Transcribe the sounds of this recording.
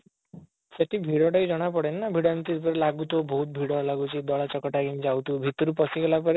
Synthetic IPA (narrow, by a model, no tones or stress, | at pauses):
seʈʰibʱiɽɔʈajd͡ʒɔɽ̃apɔɽenːabʱiɽant̪iɾpɔɾelaɡut̪oboɦut̪̚bʱiɽɔlaɡut͡ʃʰid̪ɔɭat͡ʃɔkɔʈaɡimd͡ʒawt̪ubʱit̪ɔɾupɔsiɡelapɔɾe